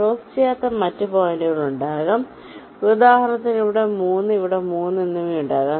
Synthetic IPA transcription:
oːst͡ɕːijaːt̪ːɐmɐtːɨpoːjindiʋɭuɳɖaːɣɐm | ud̪aːhɐnɐt̪ːiniʋiɽe̞muːnːɨiʋiɽemuːnːinːuʋijuɳɖaːɣɐ

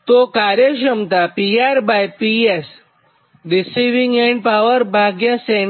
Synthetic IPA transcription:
t̪okaɾjəʃ̬ɐmt̪apiaɾbajpies | ɖisiʋĩŋɡɛ̃ɳɖ̚pawəɾbʱaɡjaseɳ

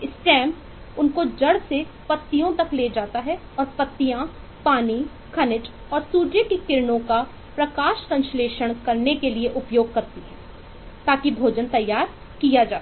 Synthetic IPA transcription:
ɪsʈɛ̃ːmp | ʊnkod͡ʒɐɽse | pɐt̪ːijõt̪ɐkleːd͡ʒaːt̪aɦɛ | ɔːɾpɐt̪ːijã | paːni | kʰɐnɪʈ | ɔːɾsuːʈjəkekɪɾɳõka | pɾɐkaːʃsɐ̃nʃleːʃəɽ̃kɐɾnekelieʔʊpjoːɡ̚kɐɾt̪iɦɛ̃ː | t̪aːkibʱoːd͡ʒənt̪ɐjːaːɾ | kijad͡ʒaː

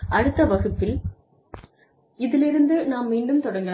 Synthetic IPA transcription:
ɐɽɯt̪ːɐʋɐɣɯp̪ːɪl | ɪðɪlɪɾɯnd̪ɯnaːmːiːɳɖɯmt̪ɔɽɐŋɡɐ

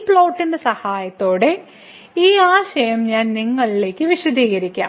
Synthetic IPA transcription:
pɭoːwʈːindesɐhaːjɐt̪ːo̞ːɽe̞ | iːaːɕɐjɐmɲaːnniŋːɐɭile̞ːkʲːɨʋiɕɐd̪ʱiːɣɐɾikʲːa̰ːm

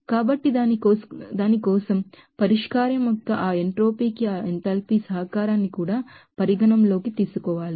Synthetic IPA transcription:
kaːbɐʈːi | d̪aːnikɔːsɐm | pɐɾiʂkaːɾɐmɔk̪ːɐʔaːeɳʈɾoːpiːkiaːent̪ɐlpiːsɐɦɐkaːɾaːnːikuːɽaːpɐɾiɡɐɳɐmlo̞ːkit̪iːsukɔːʋaːli

